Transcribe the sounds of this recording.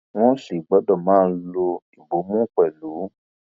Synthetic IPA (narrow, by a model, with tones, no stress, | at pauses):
w̃ɔ̃˦ʃe˨ɡ͡bɔ˨˦dɔ˦˨mãː˦˧n̩˦lo˧i˨bo˨˦mũ˦k͡pɛ˨lu˨˦